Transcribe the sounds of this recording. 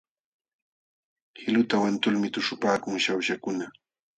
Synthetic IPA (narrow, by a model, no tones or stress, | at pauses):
hɪlʊt̪awant̪ʊlmɪt̪ʊʂʊpaːkʊŋʃawʃakʊna